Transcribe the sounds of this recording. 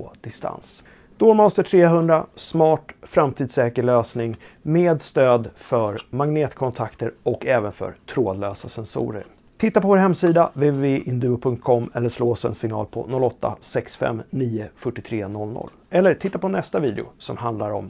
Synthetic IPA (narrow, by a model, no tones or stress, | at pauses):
d̪̥ɪst̪a̰ns | d̪̥ɔmɔst̪əʈʰɾeːɦɵnd̪ɾasmɑːʈfɾamt̪ʰiːd̪sɛːkəɭøːsnɪŋmeːd̪st̪øːd̪fœɾmaŋneːt̪kʰɔnt̪ʰakt̪əɾɔkɛːvənfœ̰ɾt̪ʰɾoːd̪løːsasɛnsṵːɾə̰ɾ | t̪ʰɪt̪ːapʰɔvoːɾɦɛmsiːd̪aveveveːʔɪnd̪ʉːʊpʰɵŋt̪̚kʰɔmːɛlːəʂloːsɛ̰nsɪŋnɑ̰ːlpʰɔ̰nɔlːɔt̪ːa̰sɛksfɛ̰mːniːəfœʈːɪt̪ʰɾeːnɔlnɔ̰lːɛlːəʈʰɪt̪ːapʰɔnɛst̪aviːd̪ɪʊ̰sɔmɦand̪laɾɔ̰m